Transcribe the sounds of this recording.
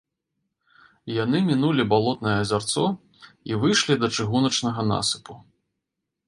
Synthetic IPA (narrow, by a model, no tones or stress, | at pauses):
janɨmʲinulʲibalˠɔt̪nɐjɛɐzʲart̪sɔ | ivɨjʂlʲid̪ɐt͡ʂɨɣunɐt͡ʂnɐɣɐna̰sɨ̥pu